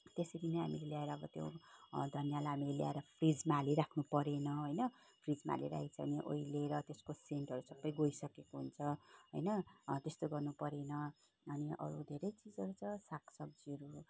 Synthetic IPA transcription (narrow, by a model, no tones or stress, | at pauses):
t̪esʌd̪ineɦa̰mileljaeɾʌːbʌt̪jo̰d̪ʱʌnjalaɦamilelja̰eɾʌpʰrid͡zmaliɾakʰnupʌɾenʌɦojnʌ | pʰrid͡zma̰lḭɾa̰it͡sʰʌʌniʔo̰ileɾʌt̪eskoseɳʈʌɾusʌbːʌjɡoisʌkekoɦunt͡sʰʌɦo̰jnʌt̪est̪oɡʌrnupʌɾenʌ | ʌniʔʌ̰ɾud̪ʱeɾʌjt͡sid͡zʌɾut͡sʰʌsakʰsʌɡ̚d͡ziʌɾu